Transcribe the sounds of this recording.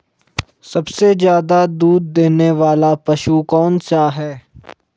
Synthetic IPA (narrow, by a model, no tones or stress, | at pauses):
sɐbsezjaːd̪ad̪uːd̪̚ːeːneʋaːlapɐʃukɔːnsaːɦɛː